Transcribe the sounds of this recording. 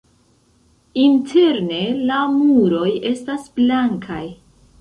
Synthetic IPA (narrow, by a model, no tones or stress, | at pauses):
intʰe̞ɾne̞lamuɾo̞je̞stasblaŋkʰaj